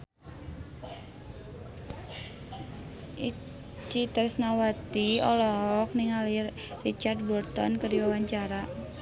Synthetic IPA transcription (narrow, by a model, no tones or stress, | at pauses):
i | t͡ʃit̪ərsnawat̪iɔlɔk̚niŋali | rit͡ʃard̪̚bɔrt̪ɔ̰nkəriwawaɲt͡ʃaɾa